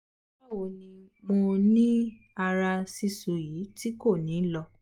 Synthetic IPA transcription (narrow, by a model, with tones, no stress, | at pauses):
a˦˨wo˨nĩ˧mo˧nĩ˦ | a˧ɾa˧si˧su˨jiː˨˦ti˦ko˦˨nĩː˨˦lɔ˧